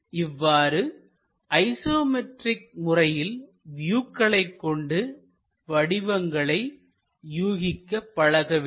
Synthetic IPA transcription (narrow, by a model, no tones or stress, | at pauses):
ɪʋːaːɾɯ | ʔɐɪsoːmɛʈrɪk̚mʊrɐjɪl | ʋɪjuːkːɐɭɐɪkːɔɳɖɯ | ʋɐɽɪʋɐŋɡɐɭɐɪ | juːɣɪkːɐpːɐɻɐɣɐʋ